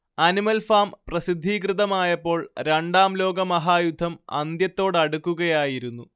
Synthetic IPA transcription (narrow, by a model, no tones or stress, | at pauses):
ɐnimɐlfaːmprɐsid̪ʱːiːkrɨðɐmaːjɐpːo̞ːɭɾeɳɖaːmlo̞ːɡɐmɐɦaːjud̪ʱːɐmɐ̰nd̪jɐt̪ːo̞ːɽɐɽukːuɣɐjaːjiɾunːu